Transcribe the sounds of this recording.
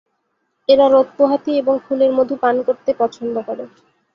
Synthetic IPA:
eɾaɾot̪̚poɦat̪ieboŋkʰuleɾmod̪ʱupankoɾt̪epɔt͡ɕʰond̪okoɾe

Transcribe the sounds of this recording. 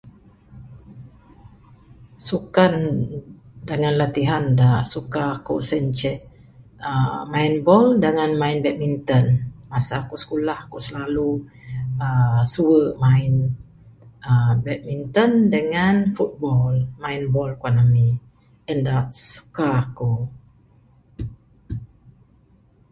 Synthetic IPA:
sukan | dəŋanlat̪iɦandaʔsukakosənt͡ʃɛ | əmainbɔldəŋanmainbɛt̪̚mint̪ənmasakusə̥kulahkosəlalu | əsuəmaɪn | əbɛt̪̚mint̪əndəŋanfut̪̚bɔlmainbɔlkwanami | ɛndaʔsu̥kaːko

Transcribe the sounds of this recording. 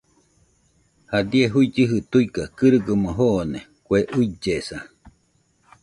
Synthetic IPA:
had̪ieɦuid͡ʒɨɦɨt̪uikakɨɾɨɡɨmoɦone | kʷeʔuid͡ʒesa

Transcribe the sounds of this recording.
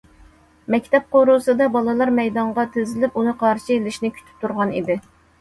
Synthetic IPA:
mɛkʲt̪ʰɛp̚qoɾusɨd̪ɑbɑlˠɨlˠɑɾmɛjd̪ɑɴʁɑt̪ʰezɪlɪpunɨqʰɑɾʃɨelɪʃnɪkʲʰy̥t͡ʃ̪ʰy̥p̚t̪ʰuɾʁɑnḭd̪ɪ

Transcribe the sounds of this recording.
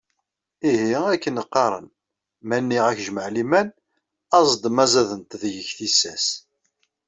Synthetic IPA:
ihiækːənəqːɑɾˤə̰n | mænːiʁæçʒəməʕlimæn | ɑzˤd̪mæzæðənt̪ðʝəçθisæs

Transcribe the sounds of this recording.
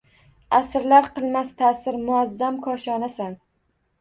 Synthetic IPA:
asɾlaɾqʰɨlˠmast̪ʰasɪɾmʊazːamkʰɒʃɒnasan

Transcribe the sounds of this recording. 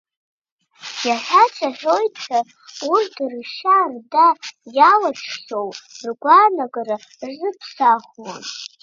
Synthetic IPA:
jaħʷᶣat͡ʃʷʰaħʲᶣojtʰʼtʰa | urtʰrʃardajalaʈ͡ʂʰʃowrɡʷanaɡʼaɾa | zɨpʰsaχwa̰

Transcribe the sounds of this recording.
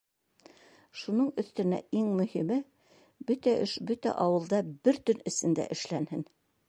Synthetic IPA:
ʃunɤɴɵ̆θt̪ɘ̆næ̰iŋmɵ̆himɘ | bɵt̪æʔɵʃbɵt̪æ̰ʔɑwɤ̆lˠd̪ɑbɘɾt̪ɵnɘ̆sɘ̆nd̪æ̰ʔɘ̆ʃlænhɘn

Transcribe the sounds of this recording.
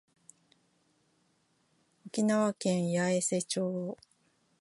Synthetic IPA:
o̞kʲinaβakẽ̞ɰ̃jaese̞t͡ɕoː

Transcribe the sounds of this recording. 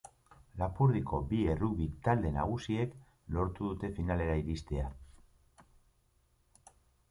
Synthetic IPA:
lapuɾðikʰo̞bie̞ruβit̪ald̪e̞na̰ɣ̞usie̞k | lo̞ɾt̪uðut̪e̞finale̞ɾaiɾist̪e̞a

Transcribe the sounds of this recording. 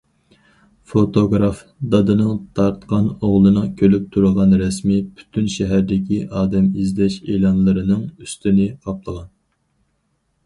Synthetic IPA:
fot̪oɡɾɑf | d̪ɑd̪ɨnɨŋt̪ʰɑɾt̪qɑnoʁlˠɨnɨŋkʲʰølyp̚t̪ʰuɾəʁɑnɾɛsmipʰy̥t̪ʰynʃɛɦæɾd̪ɪkʲiʔɑːd̪ɛmizlɛʃelˠɑnlˠɨɾɨnɨŋyst̪ynɨqʰɑplˠəʁɑn

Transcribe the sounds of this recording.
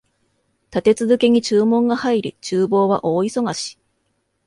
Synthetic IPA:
t̪at̪e̞t͡sɨzɨke̞ɲ̟it͡ɕɨːmõ̞ŋɡahaiɾʲit͡ɕɨːbo̞ːβa̰ʔo̞ːiso̞ɡaɕi̥

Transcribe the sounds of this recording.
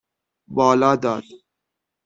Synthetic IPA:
bɑːlɑːd̪ɑːd̪

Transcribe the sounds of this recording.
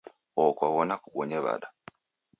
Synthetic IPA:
okwaβonakuɡoɲeβa̰ɗa

